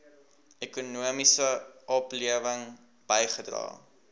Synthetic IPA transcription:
ekunuəmisəʔɔpliəvəŋ | b̥əjχədrɑ̰ː

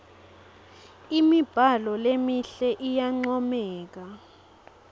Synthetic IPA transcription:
imib̥ʱalɔlemiɬɛʔijaŋ͡ǀɔmɛːk̬a

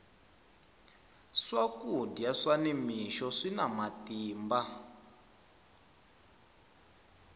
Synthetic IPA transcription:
ʂakudjaʂanimiʃɔʂinamatiːmba

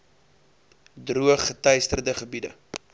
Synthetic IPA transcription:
druəχːətɐjstərdəχəbidə̰

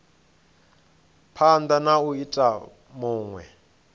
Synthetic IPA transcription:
pʰand̪anauitʼa | muːŋwɛ̰

